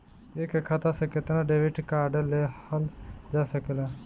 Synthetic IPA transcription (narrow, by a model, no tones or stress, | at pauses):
ekekʰat̪asẽket̪naɖebiʈkaɾɖəlːeəld͡ʒasəkela